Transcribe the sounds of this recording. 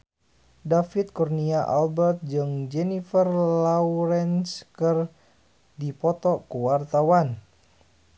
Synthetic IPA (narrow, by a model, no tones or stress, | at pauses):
dafit̪̚kurniaʔa̰lbɛrt̪̚d͡ʒɨŋd͡ʒɛnifərlauɾɛnskər | dipɔt̪ɔkuwart̪awan